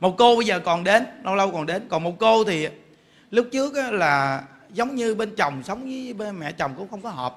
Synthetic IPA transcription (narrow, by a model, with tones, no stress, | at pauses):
mo˨˩t̚ko˧ɓə˧jzəː˨˩kɔ˨˩nɗe˨˦nlə˧wlə˧wkɔ˨˩nɗe˨˦nkɔ˨˩nmo˨˩t̚ko˧t̪ʰi˨˩˨ | lʊ˦˥k̚t͡ɕɨ˦˥ək̚ʔaː˨˦laː˨˩ | zə˨˦wŋ͡mɲɨ˧ɓe˧nt͡ɕə˨˩wŋ͡msə˨˦wŋ͡mzɨː˨˦ɓe˧nmɛ̰˧˨t͡ɕə˨˩wŋ͡mkʊ̰˧˥ŋ͡mxə˧wŋ͡mkɔ˨˦ɦɔː˨˩p̚